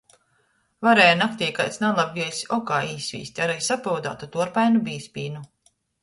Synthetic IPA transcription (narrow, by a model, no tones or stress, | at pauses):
vaɾɛːjnakt̪ʲiːjka̰jt̪snalˠabɡiɛsɔkaːiːsʲvʲḭːsʲt̪ʲaɾajsapawd̪a̰ːt̪ut̪uɔɾpajnubiːspʲiːnu